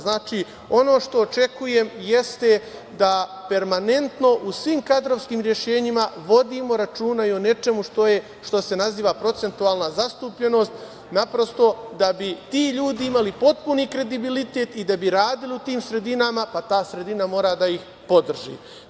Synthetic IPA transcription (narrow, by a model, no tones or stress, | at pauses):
znaːt͡ʃi | o̞no̞ːʃt̪o̞ːt͡ʃe̞kuje̞mje̞st̪e | d̪ape̞ɾmane̞nt̪no̞ʔusʋiːmkad̪ɾo̞ʋskiːmɾje̞ʃe̞ːɲimaʋo̞d̪imo̞ɾat͡ʃuːnaione̞t͡ʃe̞muʃt̪oje | ʃt̪o̞se̞naziːʋapɾo̞t̪se̞nt̪uaːlˠnazast̪uːpʎe̞no̞ːst̪ | napɾo̞st̪o̞d̪abit̪iːʎuːd̪iimalipo̞t̪̚puniːkɾe̞d̪ibilit̪e̞ːt̪id̪abiɾaːd̪iliut̪iːmsɾe̞d̪inamapat̪aːsɾe̞d̪inamo̞ːɾad̪aix | po̞d̪r̩ʒḭː